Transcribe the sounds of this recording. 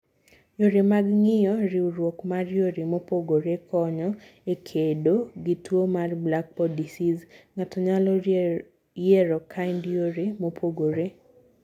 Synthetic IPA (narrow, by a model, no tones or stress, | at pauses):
joɾemaɡŋɪjɔɾɪuɾwokmarjoɾemopoɡoɾekʰɔɲɔ | ekʰedoɡɪtwomarblak̚pɔdisizŋatɔɲalɔ | jɛɾɔkʰaɪndjoɾemopʰoɡoɾe